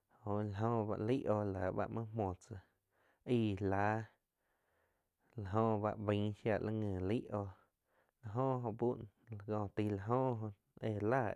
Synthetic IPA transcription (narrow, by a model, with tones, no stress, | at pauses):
hõ˨ʔla˨ɦõ˧ba˧ʔli˦ʔoː˧˨la˨ba̰˦ʔmã˦mõ˨t͡sa˧ | iː˧˨laː˨˦ | la˨ɦõ˧ba˧ʔbĩ˧˦ʃja˧ʔla˦ŋə̃ː˧˨li˦ʔoː˧ | la˧ɦõː˦ʔɦõ˧ʔbu˦n | la˨ɡɔ̃ː˧˨t̪i˧la˧ɦõː˦ʔɦõ˧ | e˧˨laː˦˨